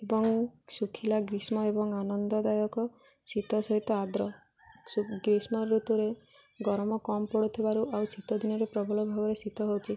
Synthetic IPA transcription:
ebɔŋsukʰilaɡɾismɔebɔŋanɔnd̪ɔd̪ajɔkɔ | sit̪ɔsɔɦit̪ɔad̪ɾɔ | suɡɾismɔɾut̪uɾe | ɡɔɾmɔkɔmpɔɽut̪ʰibaɾuʔawsit̪ɔd̪ʱinɔɾepɾɔbʱɔlɔbʱabɔɾesit̪ɔɦowt͡ʃʰi

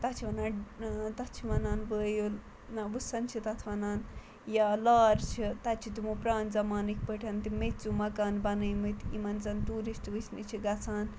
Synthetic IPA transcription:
t̪ɐt͡ʃʰiʋɐnat̪ɐt͡ʃʰiʋɐnaːnʋəːjo | naʋɨsɐnt͡ʃʰit̪ɐt̪ʰʋɐnaːn | jalaːɾt͡ʃʰit̪ɐt͡ʃʰit̪imupɾaːnzɐmaːnik̚ʲpəʈʰɐnt̪imetʲt͡sumɐkaːnbɐnɐjmɨt̪imɐnzɐnʈuːɾisʈʋɨsnit͡ʃʰiɡɐt͡sʰaːn

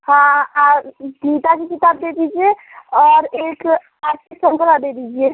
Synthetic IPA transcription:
hãad̪ʱit̪akekit̪abd̪ed̪id͡ʒie | ɔɾek | aɾtiksəŋkəlad̪ed̪id͡ʒie

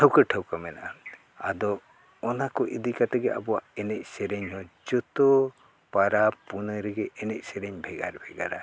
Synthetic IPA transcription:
ʈʰəwkəʈʰəwkamɛna̰ʔa | a̰d̪ɔː | nakɔʔid̪ikat̪ɛɡɛʔa̰bɔwaʔɛnɛc̚sɛɾɛɲɦɔd͡ʒɔt̪ɔ | paɾapunəɾɛɡɛʔɛnɛc̚sɛɾɛɲbʱɛɡa̰ɾbʱɛɡa̰ɾa̰

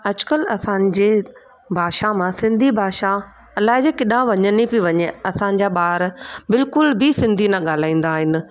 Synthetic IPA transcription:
ɐd͡ʑkəlɐsãɲd͡ʑeː | bʱaːʃamãsɪ̃nd̪ʱibʱaːʃa | ɐlaːɦɪd͡ʑeːkɪɗãʋɐɲənipiʋɐɲeɐsãɲ̆d͡ʑaːɓaːɾbɪlkʊlbʱisɪ̃nd̪ʱinɐɠaːl̤aːĩːn̆d̪aːɦɪnɪ̆

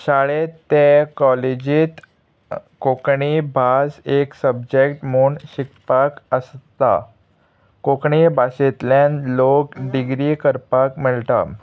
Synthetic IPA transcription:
ɕaɭet̪ːekɔled͡ʑiːt̪ | kokɳibʱaseksəb̚d͡ʑekʈmuːɳɕikpakəst̪a̰ | kokɳibaset̪ljãnlokɖiɡɾiːkəɾpakməɭʈ̪a̰

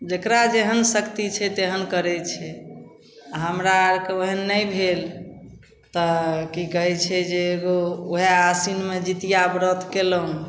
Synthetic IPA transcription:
d͡ʒekɾad͡ʒeɦənsəkt̪it͡ʃʰɛt̪eɦənkəɾɛt͡ʃʰɛ | aɦəmɾaɾkeoɦənːəjbʱel | t̪ɔkikəɦɛt͡ʃʰɛd͡ʒeːɡooɦeasinmed͡ʒit̪ijabɾət̪keləũ

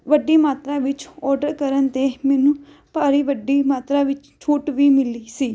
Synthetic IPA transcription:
ʋəɖiːmaːt̪ɾãːʋɪt͡ʃɔːɾɖəɾkəɾənt̪eːmɛːnũː | paːɾiːʋəɖːiːmaːt̪ɾaːʋɪt͡ʃt͡ʃʰuːʈʋiːmɪliːsiː

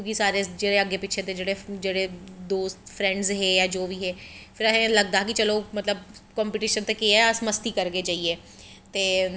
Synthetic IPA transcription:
ɡiːsaːɾeːd͡ʒeːɽeəɡːeːpɪʃʰed̪eːd͡ʒeːɽeːd͡ʒeːɽeːd̪oːst̪pʰɾɛ̃ːɳɖzɦeːjaːd͡ʒoːʋiːɦeːpʰɪɾəɦẽləɡd̪aːk̬ɪt͡ʃəloːmət̪ləb̚kɔ̃ːmpiːʈiːʃənt̪eːkiɛəsməst̪iːkəɾɡeːd͡ʒaːieː | t̪eː

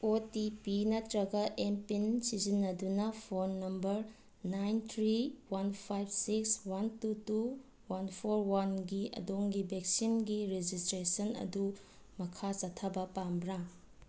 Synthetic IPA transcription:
otipinɐtɾɐɡɐʔempinsizinːɐdunɐpʰonːɐmbɐɾ | najnt̪ʰɾiwanpʰajb̚sikswantutu | wanpʰoɾwanɡiɐ̰doŋɡibek̚sinɡiɾed͡ʒistɾesɐnɐ̰du | mɐkʰasɐtʰɐbɐpambɾa

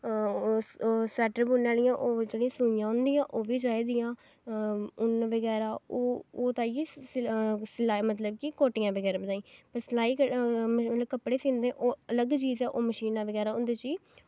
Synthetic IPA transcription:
sɛːʈɾəɾbuːnːaːlɪjãːʔoːd͡ʒeːɽĩjãːsũːɪjãːʊ̃nd̪ɪjãːʔoːʋiːd͡ʒaːiːd̪ɪjãː | ʊnʋəɡɛːɾaːoːoːt̪ãːi | slaːmət̪ləb̚kikoːʈɪjãːʋəɡɛːɾaːbəd̪aːĩːpəɾslaːiːkəmət̪ləbkəpɽeːsĩːnd̪ẽːʔoːələɡt͡ʃiːzɛːʔoːməʃiːnãːʋəɡɛːɾaːʊnd̪eːt͡ʃiː

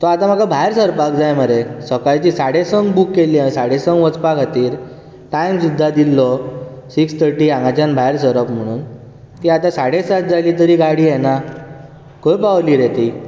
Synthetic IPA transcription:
t̪ɔat̪am̤akabʱajɾsəɾpak̚d͡zajməɾesəkajt͡ɕisaɽesəŋɡbukːelːiːãĩsaɽesə̃ŋɡʋət͡spakat̪iːɾ | t̪ajmsud̪ʱːad̪ilːɔsikst̪ʰəɾʈiːãŋɡat͡ɕãnbʱajɾsəɾəpm̤əɽ̃uːn | t̪iːat̪ãsaɽesat̪̚d͡zaliːt̪̬əɾiːɡaɽiːjɛna | kõjpaʋliːɾet̪i

